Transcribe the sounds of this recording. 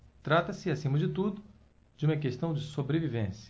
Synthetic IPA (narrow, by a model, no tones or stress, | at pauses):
t̪ɾat̪ɐsɪasĩmɐd͡ʒɪt̪ud̪ʊ | d͡ʒɪũmɐkeʃt̪ɐ̃w̃d͡ʒɪsobɾevivẽsjɐ